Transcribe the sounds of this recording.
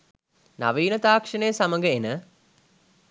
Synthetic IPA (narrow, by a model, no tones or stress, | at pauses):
na̰ʋiːnət̪aːkʂɐnejəsaməŋɡəenə